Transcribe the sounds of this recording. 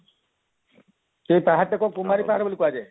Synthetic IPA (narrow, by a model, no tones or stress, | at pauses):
tejpaɦaekɔkumaɾipaɦaɾbolikuad͡ʒaj